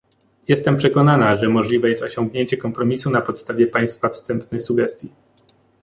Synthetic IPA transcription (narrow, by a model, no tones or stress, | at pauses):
jɛst̪ɛmpʂɛkɔnanaʐɛmɔʐlʲivɛjɛst̪ɔɕɔŋɡɲeɲt͡ɕɛkɔmpɾɔmʲisunapɔt̪st̪avʲɛpaj̃st̪fafst̪ɛmpnɘsuɡɛst̪ʲji